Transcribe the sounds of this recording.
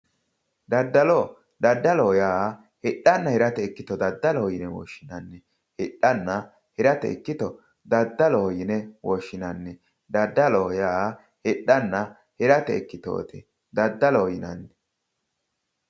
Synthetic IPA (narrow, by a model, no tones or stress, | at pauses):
d̪ɐd̪ːɐlo | d̪ɐd̪ːɐlɔjaː | hɪɗːɐnːɐhɛɾɐt̪ɛɪkːɪt̪ɔd̪ɐd̪ːɐlɔɔjɪnɛwɔ̰ːʃːɪnɐnːɛ | hɪᶑːɐnːɐ | hɛɾɐt̪ɛ̰ɪ̰kːɪt̪ɔ | d̪ɐd̪ːɐlɔɔjɪnɛwɔʃːɪnɐnːɛ | d̪ɐd̪ːɐlojaː | hɪɗːɐnːɐ | hɛɾɐt̪ɛ̰kːɪt̪o̰ːt̪ɪ | d̪ɐd̪ːɐlojɪnɐnːɛ